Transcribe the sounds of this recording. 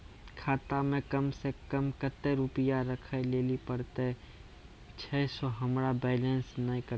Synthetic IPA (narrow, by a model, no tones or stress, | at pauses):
kʰaːt̪amẽkəmsekəmkət̪eɾʊpɪjaɾəkʰəleːlipəɾt̪e | t͡ʃʰɛːsɔɦəmɾabɛːlə̃nsnəɦĩkəɾ